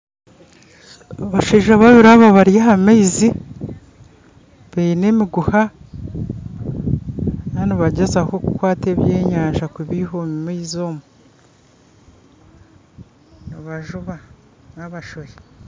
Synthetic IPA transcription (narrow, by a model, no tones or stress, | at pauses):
aβaʃeːʒaβaβiɾaβaβaɾijaɦameizi | βeine̞ːmiɡuha | naniβaɟezakoku̥kwaːte̞ːβjeːɲaːɲʒakuβiːhomimiizoːmu | niβaʒuβa | naβaʃoje